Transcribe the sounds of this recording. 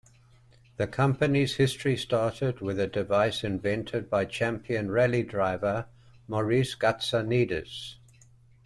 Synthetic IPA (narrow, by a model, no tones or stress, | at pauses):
ðəkʰʌ̃mpəniz̥hɪstɹ̥istɑˑtɪd̚wɪðədɪvaɪsɪ̃ɱvɛ̃ntʰɪd̚baɪt͡ʃʰæ̃mpʰiə̃nɹɛlidɹaɪvə | məɹisɡ̥atsəniːdəz̥